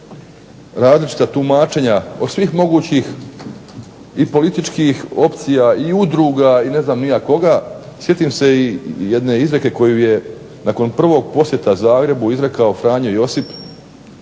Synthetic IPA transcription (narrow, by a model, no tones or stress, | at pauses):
ɾaːzlit͡ʃi̥t̪at̪umaːt͡ʃe̞ɲaod̪sʋixmo̞ɡuːt͡ɕix | ipo̞lit̪it͡ʃkixo̞pt̪sijaiud̪ɾuːɡaine̞znaːmnijako̞ɡa | sje̞t̪iːmse̞ijed̪ne̞izɾe̞ke̞ko̞juje̞ | nako̞npr̩ʋo̞ːɡ̚po̞sje̞t̪azaːɡɾe̞buizɾe̞kao̞fɾaːɲojo̞sip